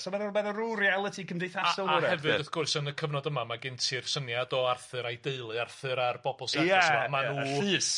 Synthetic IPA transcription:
sɔmɛðɔbɛðəɾurialˠətʰikʰəmdejθasɔlˠəhɛvɨdəθɡ̥ʊɨsənəkʰəvnɔdəmamaɡɪntʰir̥sənjadɔarθɨɾajdeɨlˠɨarθɨɾarb̥ɔbɔlˠsɛɛsamanuɬɨːs

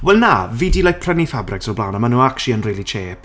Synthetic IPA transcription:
wɛlˠnaviːdilˠajk̚pʰr̥ɛnifabrɪksɔblˠaːnamanuːakʃiənriːlˠit͡ʃʰeːp

